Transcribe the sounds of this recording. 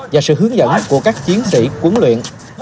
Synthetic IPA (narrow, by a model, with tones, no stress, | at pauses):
vaː˨˩sɨ̰˧˨ɦɨ˨˦əŋzə̰˧˨nku˧˩əkaː˦˥k̚t͡ɕi˨˦ənsḭ˧˨kwu˨˦nlwḭ˧˨ən